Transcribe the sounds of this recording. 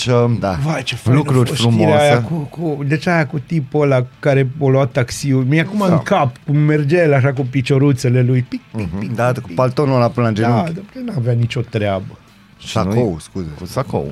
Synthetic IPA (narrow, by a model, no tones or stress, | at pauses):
t͡ʃəd̪avajt͡ʃeflukɾuɾfɾumiɾeeajakukud̪et͡ʃajakut̪ipolakaɾeoluatt̪ːaksiumiakumaɨŋkapkumːerd͡ʒelaʃ̬ak̬upit͡ʃoɾut̪selelujpik̚pikid̪at̪kupalt̪onolapɨnad͡ʒenud̪ot͡ʃenaveanit͡ʃo̞t̪ɾeabə | ʃankowskuzekusako̰w